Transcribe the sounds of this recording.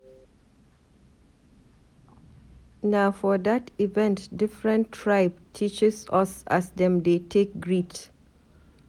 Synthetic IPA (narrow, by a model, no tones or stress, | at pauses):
naʊfɔdativɛ̃ntdɪfɹə̃ntʰːɹaɪb̚tʰit͡ʃɪsʌsa̰sdɛ̃md̪etʰek̚ɡɹit